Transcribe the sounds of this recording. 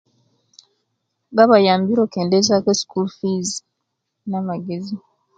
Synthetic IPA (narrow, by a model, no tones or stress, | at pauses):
βaβajaːmbiɾokeːndezakesi̥kulfiz | namaɡezi